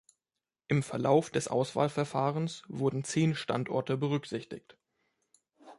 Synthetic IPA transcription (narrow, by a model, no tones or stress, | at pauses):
ʔɪmfɛɐlaʊfd̥ɛsʔa̰ʊsv̥a̰ːlfɛɐfaːʁənsv̥ʊɐdn̩t͡seːnʃta̰ntʔɔ̰ɐtəbəʁ̞ʏkz̥ɪçtɪ̰çt